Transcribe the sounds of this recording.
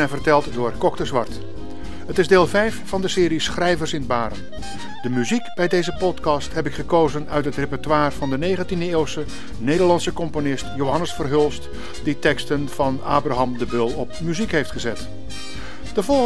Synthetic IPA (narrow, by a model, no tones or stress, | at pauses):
ɛvərtɛlˠtdʊːɹkɔktəzʋɑɹt | ɦətɪzdeːlˠvɛjfːɑndəsɪːɾisχrɛjvəɹsɪnbaːɾə̰n | dəmyzikb̥ɛjdejzəpɔtkɑstɦɛpɪkχəkowzənœɥtɦətrepɛɹtʋaːrv̥ɑndənejχəntindəɪːlˠsə | nejdəɹlɑnsəkɔmponɪstjowɦɑnəsfərɦɵlˠst | d̥itɛkstənv̥ɑna̰ːbraɦɑmdəbɵlˠɔp̚myzikɦejftχəzɛt | d̥əvɔ